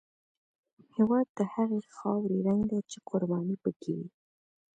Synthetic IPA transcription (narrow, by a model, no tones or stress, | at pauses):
hewɑd̪ːəhaɣexɑwɾeɾaŋɡd̪at͡ʃeqʊɾbɑnipəkʰḛwi